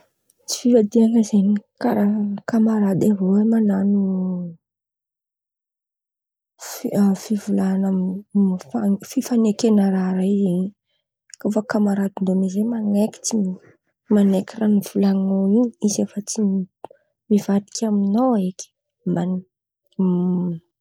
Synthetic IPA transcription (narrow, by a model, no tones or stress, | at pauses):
t͡si̥fivad̪iaŋəzenikaɾakamaɾad̪aroemananu | fafivulana | fafifanekenəɾaɾaize | kofakamaɾad̪ind̪omizemaneki̥t͡sii | manekʲiraniv̥ulaŋoiɲizefət͡si | mivad̪i̥kʰʲaminoeki̥ | man